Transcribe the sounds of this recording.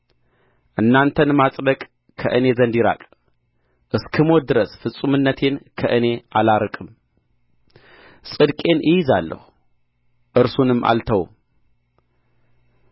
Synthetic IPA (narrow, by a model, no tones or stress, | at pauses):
ʔɨnːant̪ʰɐnmat͡sʼlɐkʼ | kʰɐ̰ʔɨne̞zɐnd̪iɾa̰kʼ | ʔɨskʰɨmod̪ɨɾɐsfɨt͡sʼːumɨnːɐt̪ʰe̞nkʰɐʔɨne̞ʔalaɾɨkʼɨm | sʼɨd̪kʼe̞nʔɨjizalːɐ̰xu | ʔɨɾsunɨmʔa̰lt̪ʰɐwṵ